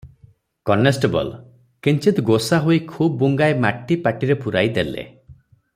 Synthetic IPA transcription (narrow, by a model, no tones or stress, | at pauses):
kɔnesʈebɔ̰l | kint͡ʃit̪ɡosaɦoikʰubːuŋɡaemaʈːipaʈiɾepuɾajd̪elḛ